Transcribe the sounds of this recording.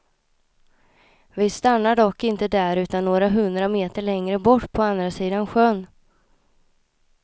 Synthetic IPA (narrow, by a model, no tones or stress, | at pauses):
vɪst̪anːaɖɔkːɪnt̪əd̪æɾʉ̟ːt̪anːoːɾaɦɵnd̪ɾameːt̪əɭɛŋɾəbɔʈːpʰɔand̪ɾasiːd̪anɧœnː